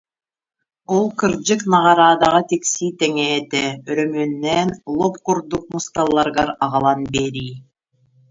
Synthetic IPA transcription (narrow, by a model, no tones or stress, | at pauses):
olˠqɯ̆ɾd͡ʒɯqnɑʁɑɾɑːd̪ɑʁɑt̪iksijt̪eŋeːt̪eøɾømønːɛnlˠop̚quɾd̪uq̚must̪ɑlˠːɑɾɡɑɾɑʁɑlˠɑnbeɾij